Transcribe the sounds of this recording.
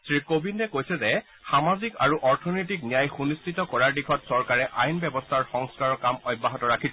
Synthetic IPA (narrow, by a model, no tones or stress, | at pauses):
sɹikobindɛkojsɛzɛ | xamazika̰ɹuʔɔɹtʰɔnojt̬iknijajxunistitɔkɔɹaɹdikʰɔtsɔɹkaɹɛʔajnbɛbɔstʰaɹxɔŋskaɹɔkamɔjbːaɦɔtɔɹakʰisɛ